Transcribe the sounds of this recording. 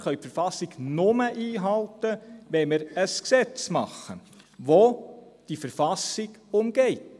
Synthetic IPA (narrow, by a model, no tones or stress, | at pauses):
χœʏpfəɾfɑsɪɡnʊməʔiːɦɑltəʋɛmɪɾəsksɛt͡smɑχə | ʋod̥ifəɾfɑsɪɡ̥ʊmɡ̥ɛɪt